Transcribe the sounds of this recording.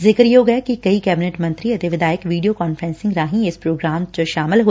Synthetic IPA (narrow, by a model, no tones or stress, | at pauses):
zɪkɾjoːɡɐekikɐikɛːbɪneʈmɐ̃nt̪ɾiɐt̪eʋɪd̪aːjəkʋiːɖijokɔːnfɾɛ̃ːnsɪ̃ŋɡɾaːɦĩɪspɾoːɡɾaːmt͡ʃəʃaːmɪlɦoː